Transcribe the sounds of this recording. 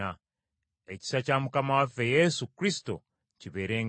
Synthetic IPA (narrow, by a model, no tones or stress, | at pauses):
a | e̞ci̥sacamukamawafe̞jesukɾisto̞̰ | ciβe̞ːɾe̞ːŋ